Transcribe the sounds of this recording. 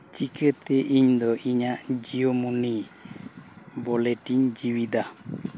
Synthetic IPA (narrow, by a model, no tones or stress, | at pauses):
t͡ʃikət̪ɛʔiɲd̪ɔʔiɲaʔd͡ʒiomuni | bɔlɛʈiɲd͡ʒiwid̪a